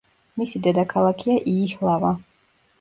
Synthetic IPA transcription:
misid̪ɛd̪akʰalˠakʰiaʔiːhlˠava

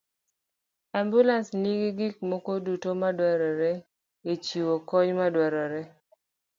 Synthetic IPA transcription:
ambulasniɡiɡik̚mɔkodutomadwɛɾɔɾɛ | et͡ʃiwokɔɲmadwɛɾɔɾɛ

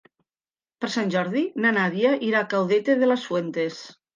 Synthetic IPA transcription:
peɾsanʲʒɔɾðinanaðjaʔiɾakawðet̪eðelasfwent̪es

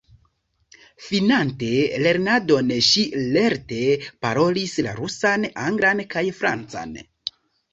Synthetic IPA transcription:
finante̞le̞ɾnado̞nʃile̞ɾte̞paɾo̞lisla̰ɾusanaŋɡɾankajfɾa̰nt͡sa̰n

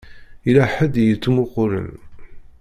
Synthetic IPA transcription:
ilæħəd̪jət͡sːmʊqʊɾə̰n

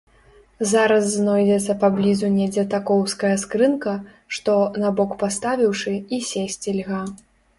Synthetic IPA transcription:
zaɾɐsːnɔjd͡zʲɛt̪sːɐpablʲizunʲɛd͡zʲɛt̪akɔwskɐjɐskɾɨnkɐ | ʂt̪ɔnabɔkpast̪avʲiwʂɨisʲesʲt͡sʲilʲɣa

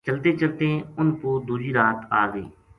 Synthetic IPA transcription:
t͡ʃəlt̪eːt͡ʃəlt̪ẽːʊnpoːd̪uːd͡ʒiːɾaːt̪aːɡḛː

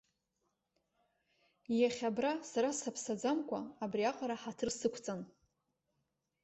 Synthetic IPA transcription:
jaχʲabrasaɾasapʰsad͡zamkʷʰʼa̰ːbriaqʼaɾaħatʰɨrsɨkʷʰt͡sʼan

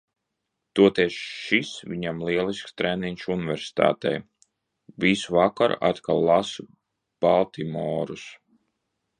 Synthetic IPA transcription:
t̪uɔt̪ɛɛʃʃisvʲiɲamliɛlˠiskst̪ɾɛniɲʲʃunivʲɛɾsi̥t̪a̰ːt̪ɛ̰j | visuvakaɾa̰t̪kalˠːas | b̥alˠt̪imɔːɾus

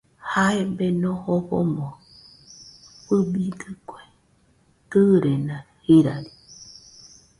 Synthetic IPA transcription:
haebenõhoβo̰mõ | pɨbidɨkʷe | kɨɾenã | hiɾaɾi̥

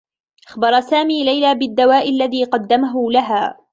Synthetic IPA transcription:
ʔaxbɑɾˤɑsaːmiːlajlaːbɪd̪ːawaːʔɪlːaðiːqɑd̪ːamaɦʊlaɦaː

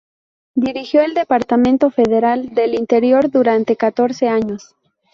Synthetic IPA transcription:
d̪iɾixjo̞eld̪e̞paɾt̪amẽnt̪o̞fe̞ðe̞ɾald̪e̞lint̪e̞ɾjo̞ɾðuɾant̪e̞kat̪o̞ɾse̞aɲo̞s

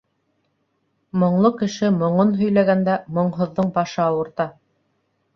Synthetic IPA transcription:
mŏɴlˠɤkɘ̆ʃɘmŏɴonɦɵ̆jlæɡænd̪æmŏɴɦŏðːɤɴbɑʃɤɑwɤ̆ɾt̪ɑ

